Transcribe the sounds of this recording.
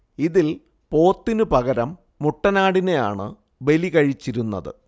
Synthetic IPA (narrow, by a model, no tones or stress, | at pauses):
iðil | po̞ːt̪ːinɨpɐɣɐɾɐmː | uʈːɐnaːɽine̞ja̰ːɳɨ̰ | be̞likɐɻit͡ɕːiɾunːɐ̰ðɨ̰